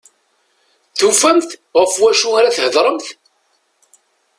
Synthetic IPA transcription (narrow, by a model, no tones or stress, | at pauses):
θufæmθʁəfwæʃuaɾaθhəðɾˤəmθ